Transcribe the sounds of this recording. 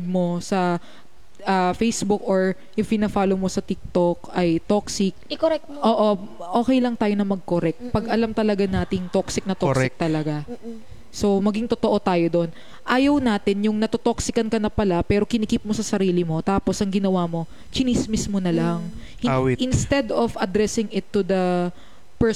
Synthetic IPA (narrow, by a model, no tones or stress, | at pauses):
d̪̚mo̞sɐ | ʔɐfejsbukoɹ | jʊŋpɪnɐfaːlowmosɐt̪ik̚t̪ok̚ʔɐjt̪oksɪk̚kɛk̚ | ʔoːʔo̞ʔoːkɛjlɐŋt̪aːjo̞nɐmɐɡ̚koɾɛk̚t̪̚pɐɡʔɐlamt̪ɐlɐɡanaːt̪ɪŋt̪oksɪk̚nɐt̪sɪk̚t̪ɐlɐɡa | so̞mɐɡiŋt̪ot̪oʔo̞t̪aːjod̪o̞n | ʔaːjɐwnaːt̪ɪnjʊŋnɐt̪ot̪oksɪkɐnkɐnɐpɐlapɛːɾo̞kɪnɪkip̚mo̞sɐsɐɾiːlɪmo̞t̪aːposʔɐŋɡɪnɐwamo̞ | t͡ʃɪnismɪsmonɐlaŋ | hwʔɪnst̪ɛd̪ovɐd̪ɾɛsɪŋɪt̪ːʊd̪ɐ | pɛ